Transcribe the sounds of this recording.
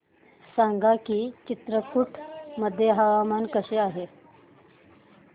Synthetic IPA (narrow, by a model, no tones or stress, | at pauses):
saŋɡakiːt͡ɕit̪ɾəkʰuʈʰməd̪ʱːjeɦaʋamankəɕeaɦe